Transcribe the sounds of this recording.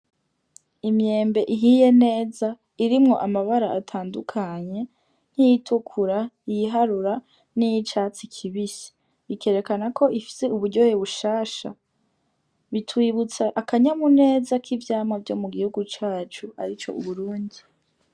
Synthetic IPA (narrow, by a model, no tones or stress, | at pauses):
imje̞ːmbe̞ʔiɦije̞ne̞ːza | iɾimŋo̞̰ʔamaβaɾaʔatʰaːndukʰaɲe̞ | n̥hijitʰukʰuɾajiɦaɾuɾa | nijit͡ʃaːt͡sikʰiβisi̥ | βike̞ɾe̞kanakʰo̞ʔifi̥se̞uβuɾɟo̞heβuʃaːʃa̰ | βitʰwiβut͡saʔakaɲamune̞ːzakʰivjaːmavjo̞̰muɡihuɡut͡ʃaːt͡ʃua̰ɾit͡ʃo̞̰ʔṵβuɾuːndi